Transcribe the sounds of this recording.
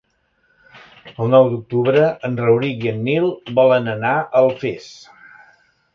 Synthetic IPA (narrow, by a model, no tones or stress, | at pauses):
əlˠnɔwd̪uk̚t̪uβɾəənrəwɾiɣiənːilˠbɔlˠənənaʔəlˠfes